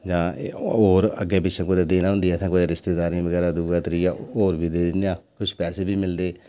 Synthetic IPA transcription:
d͡ʒãːoːɾə̰ɡːeːpɪt͡ʃʃʰẽːkod̪eːd̪eːnaːɦʊ̃nd̪iːɛːt̪ʰɛ̃ːkod̪eːɾɪst̪eːd̪aːɾĩːʋəɡɛːɾaːd̪uːɡaːt̪ɾiːjaːoːɾbiːd̪eːd̪ɪnjaːkʊt͡ʃʰpɛːseːbʱiːmɪld̪eː

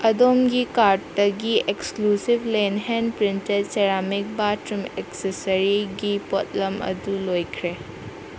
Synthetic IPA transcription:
ɐdomɡikaɾ̚tɐɡieksklusibʱlenɦenpɾintet̚seɾamik̚batɾumeksesɐɾiɡipot̚lɐmɐ̰dulojkʰɾe

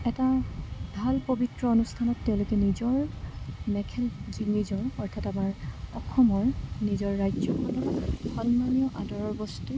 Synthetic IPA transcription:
ɛtabʱalpobitɹɔonustʰanɔtːeʊ̃lokɛnizɔɹmɛkʰɛld͡ʒinizɔɹɔɹtʰatamaɹɔxʰɔmɔɹnizɔɹːajzɔkʰɔlɔkxɔnmanijɔʔadɔɹɔɹbɔstu

